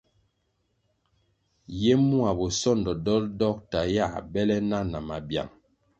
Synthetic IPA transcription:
je˦mu˦a˨bo˨sɔ˦˨ndɔ˨dɔ˦ldɔ˦k̚ta˨ja˦˨bɛ˦lɛ˦na˦na˨ma˨bja̰˨ŋ

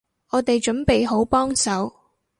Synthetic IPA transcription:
ɔː˨˧t̪e˨jt͡ʃɵ˨˥npe˨jɦo˨˥wpɔː˥ŋsɐ˨˥w

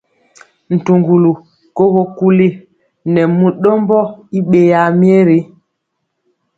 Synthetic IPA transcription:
n̩˨tu˨ŋɡu˨lu˨ | ko˦ɣo˨ku˦li˦ | nɛ˨mu˨ɗɔ˦mbɔ˦i˦ɓe˨ja˨mje˦ɾi˦

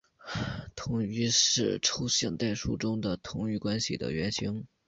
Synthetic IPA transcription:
t̪ʰʊ˨˧˥ŋy˧˥ʂɻ̩˥˩ʈ͡ʂʰu˥ɕjɛ˥˧ŋt̪a˥˩ɪʂu˥˩ʈ͡ʂʊ˥ŋd̪ə˨t̪ʰʊ˧˥ŋy˧˥˩kwa˥nɕḭ˨d̪ə̰˦ɥɛ˧˥nɕʰi˧˥ŋ

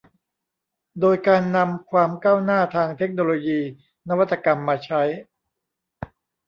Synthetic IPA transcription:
doː˧jkaː˧nːa˧mkʰwaː˧mkaː˥˩wnaː˥˩t̪ʰaː˧ŋt̪ʰe˦˥k̚noː˧loː˧jiː˧ | na˦˥wa˥t̪ʰːa˧ka˧mːaː˧t͡ɕʰa˦˥j

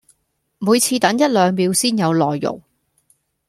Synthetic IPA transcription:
muː˨˧jt͡sʰiː˧t̪ɐ˨˥ŋjɐ˥t̚lœː˨˧ŋpiː˨˧wsiː˥njɐ˨˧wlɔː˨˩jːʊ̰˨˩ŋ

